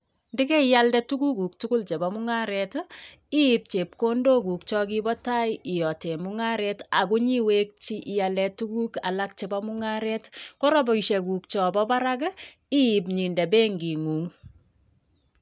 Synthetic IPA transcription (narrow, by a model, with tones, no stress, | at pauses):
ndi˦ke˦ijaldɛtu˦ku˦ku˨k̚tu˦kʊ˦lt͡ʃe˨ba˨muŋaɾɛt | i˦p̚t͡ʃe˨p̚ko˦ndo˦ku˨k̚t͡ʃɔ˦ki˦bɔ˦ta˦jɪ˨jɔ˨te˨muŋa˦ɾɛta˨ku˦ɲi˦we˦k̚t͡ʃi˦ʔːjalɛtu˦ku˦ka̰˨lak̚t͡ʃe˨ba˦mu˦ŋaɾɛtko˦ɾɔ˦bɔ˨iʃɛ˨ku˨k̚t͡ʃɔ˨bɔ˦ba˦ɾak | i˦ip̬ɲi˨ndɛ˨be˦ŋɡi˨ŋu˨ŋ